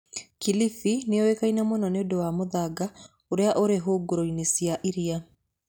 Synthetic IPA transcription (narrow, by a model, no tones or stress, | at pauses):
kilifineɔwekainamonɔneodowamoðaɡa | oɾeaʔoɾeɦoːɡoɾoinesiaʔiɾia